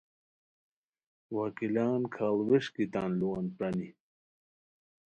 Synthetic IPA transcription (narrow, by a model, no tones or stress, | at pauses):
wakilaːnkʰaːlweʂkit̪aːnluanpɐni